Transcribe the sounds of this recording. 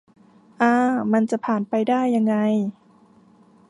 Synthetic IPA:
ʔaː˧ma˧nt͡ɕa˧˩˨pʰaː˨˩npa˧jdaː˥˩jːa˧ŋːa˧j

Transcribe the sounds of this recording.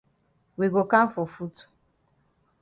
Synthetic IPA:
wi˨ɡo˨ka˦m̩˦fo˨fu˦tu̥˨

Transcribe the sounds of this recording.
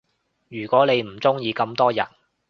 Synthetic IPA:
jyː˨˩kʷwɔː˨˥ne˨˧jm̩˨˩t͡sʊ˥ŋjiː˨˧kɐ˧mt̪ɔː˥jɐ̰˨˩n

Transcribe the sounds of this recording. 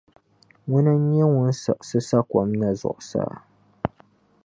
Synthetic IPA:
wʊ˦nɨ˦ɲ˦ɛ˦wʊ˦n˦sa˨ʔsɨ˦sa˦kʷɔ˨mna˦zʊ̰˨ʔʊ˨sa̰ː˦

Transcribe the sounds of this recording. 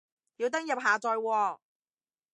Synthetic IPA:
jiː˨˧wt̪ɐ˥ŋjɐ˨p̚ɦaː˨t͡sɔː˧jwɔː˧

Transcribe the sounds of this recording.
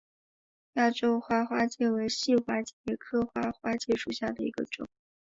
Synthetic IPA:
ja˥˩ʈ͡ʂo˥ʊxwa˥˩xwa˥t͡ɕjɛ˥˩we˧˥ɪɕi˥˩xwa˥t͡ɕɛ˥˩ɛ˥kʰɤ˥˧xwa˥˩xwa˥t͡ɕjɛ˥˩ʂu˨˩ɕja˥˩d̪ə˩ḭ˧˥ɡə̰˧ʈ͡ʂʊ̰˨˩˦ŋ

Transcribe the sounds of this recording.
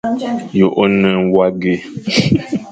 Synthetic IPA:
jo˨ʔo˦nə̃˦wa˦ɡe˦

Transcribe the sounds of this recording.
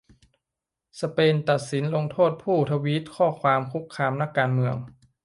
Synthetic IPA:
sa˧peː˧nt̪a˨˩t̪̚si˩˦nlo˧ŋt̪ʰoː˥˩t̪̚pʰuː˥˩t̪ʰa˧wi˦˥t̪̚kʰɔː˥˩kʰwaː˧mkʰu˦˥kkʰːaː˧mna˦˥˩kːaː˧nmɯ˧əŋ

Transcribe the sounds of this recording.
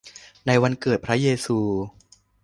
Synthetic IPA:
na˧jwa˧nkɤː˨˩t̪̚pʰɾa˦˥jeː˧suː˧

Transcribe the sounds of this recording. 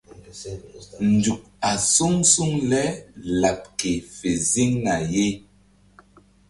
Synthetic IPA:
n̩˨d͡ʒu˨k̚a˨su˦ŋsu˦ŋlɛ˦la˨p̚ke˨fe˨zi˦ŋna˨je˦

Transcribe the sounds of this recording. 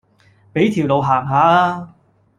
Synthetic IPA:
pe˨˥jt̪ʰiː˨˩wlo˨˧wɦaː˨˩ŋɦaː˨˥˧

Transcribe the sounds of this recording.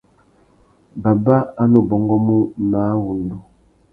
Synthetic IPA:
ba˨ba˦a˦no˨bɔ˦ŋɡɔ˦mu˦na˨˦wu˨ndu˨

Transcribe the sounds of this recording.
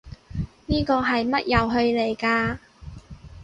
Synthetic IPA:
niː˥kɔː˧ɦɐ˨jmɐ˥t̚jɐ˨˧wɦɵ˧ɥle˨˩jkaː˧

